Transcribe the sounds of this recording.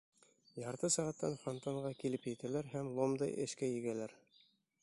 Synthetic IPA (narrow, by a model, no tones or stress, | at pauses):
jɑɾt̪ɤsæʁæt̪ːæ̰nfɑnt̪ɑɴʁɑkilɘpjɘ̆t̪ælæɾɦæmlˠomd̪ɑjʔɘ̰̆ʃkæjɘ̆ɡælæɾ